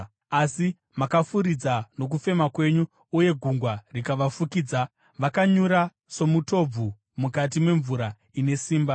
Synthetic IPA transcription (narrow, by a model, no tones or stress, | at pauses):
asi | makafuɾid͡zano̞k̬ufe̞makwe̞ɲuː | uje̞ɡʱuŋɡwarikaʋafukiːd͡za | ʋakaɲuɾa | so̞muto̞b͡vu | mukat̬imwe̞ɱvuɾa | ine̞siːmba